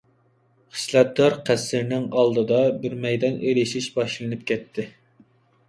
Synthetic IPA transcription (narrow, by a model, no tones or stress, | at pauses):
χə̥slɛt̪̚d̪ɑɾqʰæsːɪɾnɪŋɑlˠd̪ɨd̪ɑbɪɾmɛjd̪ɑneɾɪʃiʃbɑʃlˠɨnɨp̚kʲɛt̪ʰːɪ